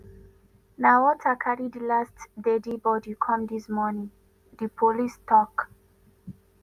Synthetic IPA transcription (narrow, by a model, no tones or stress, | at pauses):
nawɔtʰakʰaɹidilastdedibɔdikʰɔ̃mdismɔnĩŋ | dipʰolistʰɔk